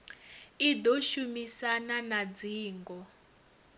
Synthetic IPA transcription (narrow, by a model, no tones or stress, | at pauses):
id̪ɔʃumisananad͡ziːŋɡɔ